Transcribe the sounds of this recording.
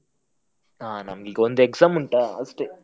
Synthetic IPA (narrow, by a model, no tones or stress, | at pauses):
aːnɐmɐɡiɡɐond̪ekzaːmuɳʈaːɐ̰sʈeː